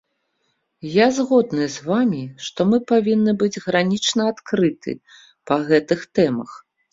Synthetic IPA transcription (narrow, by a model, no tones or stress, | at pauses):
jazɣɔd̪̚nɨzvamʲiʂt̪ɔmɨpavʲinːɨbɨd͡zʲɣɾanʲit͡ʂnɐat̪kɾɨt̪ʰɨ̰ | pɐɣɛt̪ɨxt̪ɛmɐ̰x